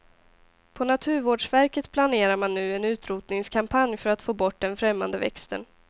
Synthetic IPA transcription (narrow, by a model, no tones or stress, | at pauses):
pʰɔnat̪ʰʉ̟ːɾvoːɖʂvæɾkət̪pʰlaneːɾaɾmanːʉ̟ːɛnʉ̟ːt̪ɾuːt̪nɪŋskʰampʰanjfœɾat̪foːbɔʈ̚ːd̪ɛnfɾɛmːa̰nd̪əvɛ̰kst̪ə̰n